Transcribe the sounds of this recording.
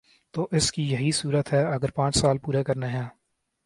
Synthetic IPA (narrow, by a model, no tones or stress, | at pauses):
t̪oːʔɪskijɐɦisuːɾət̪ɦɛːɐɡəɾpãːt͡ʃsaːlpuːɾekəɾneɦɛ̃ː